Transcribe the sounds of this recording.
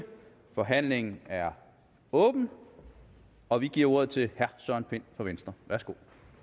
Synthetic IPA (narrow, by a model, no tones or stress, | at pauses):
fɒ̽ɦæn̰le̝ŋn̩æɐ | ɔ̽ːb̥n̩ | ɒ̽ʋiɡ̥iɐo̝ɐð̞̩ˠt͡sʰe̝lhæɐsœɐ̰npʰe̝n̰fɒ̽ʋensd̥ʁɐʋæɐsɡ̥o̝